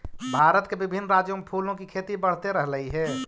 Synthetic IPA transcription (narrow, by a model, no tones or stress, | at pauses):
bʱaɾət̪kebɪbʱɪnːɾad͡ʒjomepʰulõkikʰet̪ibəɽ̤t̪eɾəɦləiɦɛ